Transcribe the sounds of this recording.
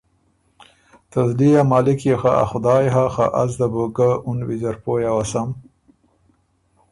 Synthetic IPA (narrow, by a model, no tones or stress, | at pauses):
t̪azlijamɑːlɪkjexaa̰xʊd̪ɑːjɦaxa̰ʔazd̪aboɡəʊnwizaɾpojawasam